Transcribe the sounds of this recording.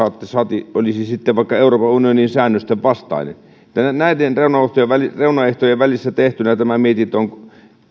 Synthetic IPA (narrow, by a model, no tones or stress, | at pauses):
ɑt̪ːesɑt̪iolisisit̪ːeʋʋɑˑikːɑeuroːpɑunioninsæːnːøst̪eʋʋɑst̪ɑ̰inḛn | et̪ːænænæit̪enreunɑoht̪ojeʋʋælireunɑeht̪ojeʋʋælisːæt̪eht̪ynæt̪æmæmiet̪it̪øoŋ